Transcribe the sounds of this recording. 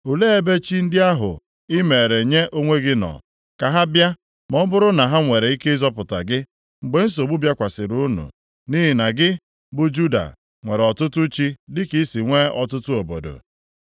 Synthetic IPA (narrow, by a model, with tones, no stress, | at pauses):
u˨le˦e˦be˦t͡ʃi˦n̩˦dɪ˦a˦ɦʊ̰˨ | ɪ˦me˨ɾe˨ɲe˦ʔo˦ŋʷe˦ɡɪ˦nɔ̰˨ | ka˨ɦa˦bja˦ | mɔ˦bʊ˦ɾʊ˦na˨ɦa˦ŋʷe˨ɾe˨i˦ke˦zɔ˦pʊ˨ta̰˨ɡɪ˦ | ŋ͡m̩˨ɡ͡be˨n̩˦s̬o˨bu˦bja˦kʷa˨sɪ˨ɾu˦nṵ˨ | ni˦ɦi˨na˨ɡɪ˦ | bʊ˦d͡ʒu˦da̰˨ | ŋʷe˨ɾɔ˨tʊ˦tʊ˦t͡ʃi˦dɪ˦ki˦si˨ŋʷe˦ɔ˨tʊ˦tʊ˦o˨bo̰˨do̰˨